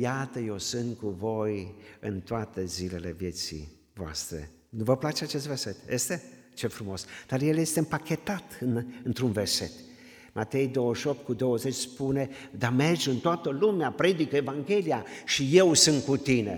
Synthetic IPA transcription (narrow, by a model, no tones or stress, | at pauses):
jat̪əje̞wsɨnt̪kuvo̞jɨnt̪oat̪ezile̞le̞vje̞t̪sḭ | voa̰st̪ɾe̞̰ | nuvəplat͡ʃeat͡ʃe̞st̪ve̞rset̪jest̪e̞ | t͡ʃefɾumo̞sd̪̥arje̞lje̞st̪eɨmpakʲe̞t̪at̪ɨnɨnt̪ɾunverse̞t̪ | mat̪e̞jd̪o̞wəʃiop̚t̪̚kud̪o̞wəzet͡ʃʲspune̞d̪ame̞rd͡ʒɨnt̪oat̪əlumeapɾe̞d̪ike̞vaŋɡʲe̞liaʃije̞wsɨnt̪̚kut̪ine̞̰